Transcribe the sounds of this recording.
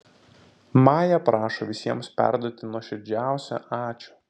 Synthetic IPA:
mɑːjɛpɾʔɑːʃoʋʲɪsʲiɛmspʲæ̰ˑɾd̪uɔt̪ʲɪnuɔʃʲɪɾʲd͡ʒʲæˑʊsʲo̰ʔɑːt͡ʃʲʊ

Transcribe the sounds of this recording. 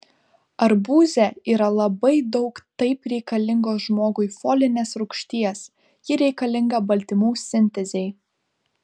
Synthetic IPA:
ɐɾbuːzʲɛiːɾɐlˠɐbɐɪd̪ɒʊkt̪ɐɪpɾʲɛɪkɐlʲɪŋɡoːsʒmoːɡʊɪfoːlʲɪnʲeːsɾʊkʃʲt̪ʲiɛs | jɪɾʲɛɪkɐlʲɪŋɡɐbɐlʲt̪ʲɪmuːsʲɪnʲt̪ʲɛzʲɛɪ

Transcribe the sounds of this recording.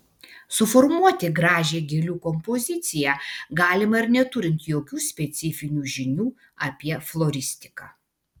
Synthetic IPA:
sʊfɔɾmuɔt̪ʲɪɡɾɑːʒʲeːɡʲelʲuːkɔmpɔzʲɪt̪sʲɪjæːɡɑːlʲɪmɐɪɾnʲɛt̪ʊɾʲɪnt̪joːkʲuːsʲpʲɛt̪sʲɪfʲɪnʲuːʒʲɪnʲuː | ɐpʲiɛflˠɔːɾʲɪsʲt̪ʲɪ̥kɑː

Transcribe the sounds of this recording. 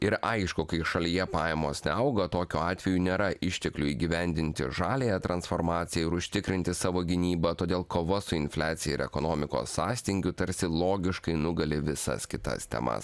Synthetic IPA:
ɪɾɐɪʃkʊkɐɪʃɐlʲijɛpɑːjɛmoːsnʲɛɐʊɡɐt̪oːkʲuɑːt̪ʲʋʲɛjuːnʲeːɾɐʔɪʃʲt̪ʲɛklʲuiːɡʲɪʋʲɛnʲd̪ʲɪnʲt̪ʲɪ̰ʒɑːlʲejɛt̪ɾɐnsfoːɾmɑːt̪sʲɪjɛɪɾʊʃʲt̪ʲɪkɾʲɪnʲt̪ʲɪsɑːʋoːɡʲɪnʲiːbɐt̪oːd̪ʲeːlˠkoːʋɐsʊɪnʲfʲlʲæːt̪ʲɪjɛɪɾɛ̰konoːmʲɪko̰ːsːɑːsʲt̪ʲɪŋʲɡʲʊt̪ɐɾʲsʲɪlˠoːɡʲɪʃkɐɪnʊɡɐlʲɪʋʲɪsɐ̰skʲɪt̪ɐ̰st̪ʲɛ̰mɐ̰s

